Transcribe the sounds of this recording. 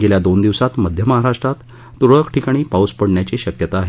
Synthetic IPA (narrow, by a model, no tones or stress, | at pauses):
ɡeljad̪ond̪iʋsat̪məd̪ʱjəməɦaɾaʂʈɾat̪ː | uɾəkʈʰikaɽ̃iːpauspəɽɳjat͡ɕiːɕəkjət̪aːɦe